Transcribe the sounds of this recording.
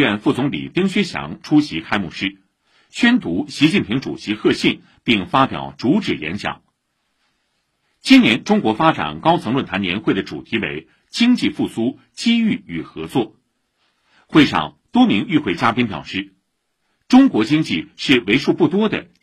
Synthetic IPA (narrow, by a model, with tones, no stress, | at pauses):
ɛ˥˧nfu˥˩t͡sʊ˧˥ŋlḭ˨˩p̪i˥ŋɕɥɛ˥ɕjɑ̰˧˥ŋʈ͡ʂʰu˥ɕi˧˥kʰa˥ɪmṵ˥˩ʂɻ̩˥ | t͡ɕʰɥɛ˥nt̪u˧˥ɕi˧˥t͡ɕi˥˩npʰi˧˥ŋʈ͡ʂṵ˨˩ɕi˧˥xɤ˥˧ɕi˥˧˩n | pi˥˩ŋfa˥pjɑ̰˨˩ʊt͡su˧˥ʈ͡ʂɻ̩˨˩jɛ̰˧˥nɕjɑ̰˨˩˦ŋ | t͡ɕi˥njɛ˧˥nʈ͡ʂʊ˥ŋkwɔ˧˥fa˥ʈ͡ʂa̰˨˩nkɑ˥ʊt͡sʰɤ˧ŋlwə˥˩nt̪ʰa˧˥njɛ˧˥nxwe˥˩ɪd̪ə˩ʈ͡ʂṵ˨˩t̪ʰi˧˥wḛ˧˥ɪ | t͡ɕi˥ŋt͡ɕi˥˧fu˥˩su˥ | t͡ɕi˥y˥˩y˨˩xɤ̰˧˥t͡swɔ˥˩ | xwe˥˧ɪʂɑ̰˥˧˩ŋt̪wɔ˥mi˧˥ŋy˥˧xwe˥˩ɪt͡ɕja˥pi˥npjɑ̰˨˩ʊʂɻ̩˥˩ | ʈ͡ʂʊ˥ŋkwɔ˧˥t͡ɕi˥ŋt͡ɕi˥˧ʂɻ̩˥˩we˧˥ɪʂu˥˧pu˥˩t̪wɔ˥d̪ə̰˨